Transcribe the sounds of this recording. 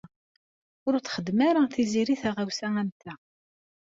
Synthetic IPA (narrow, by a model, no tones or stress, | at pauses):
ʊɾθχəd̪ːmaɾaθiziɾiθæʁawsæænt̪æ